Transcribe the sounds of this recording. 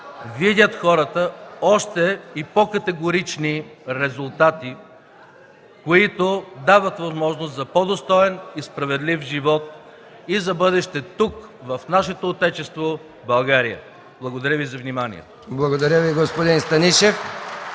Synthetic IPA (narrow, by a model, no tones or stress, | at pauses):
vid̪ʲət̪xɔɾət̪əɔʃt̪ɛipokɐt̪ɛɡoɾit͡ʃniɾɛzʊlˠt̪at̪i | koit̪od̪avɐt̪vɐzmɔʒnost̪zɐpod̪ost̪ɔɛnispɾɐvɛd̪lifʒivɔt̪̚ | izɐbɤd̪ɛʃt̪ɛt̪ukvɐfnaʃɛt̪oːt̪ɛt͡ʃɛst̪vo | bɐlˠɡaɾijə̰ | blˠɐɡod̪ɐɾʲəvizɐvnimanḭɛ̰t̪o̥blˠɐɡod̪ɐɾʲəviɡospod̪inst̪ɐniʃɛf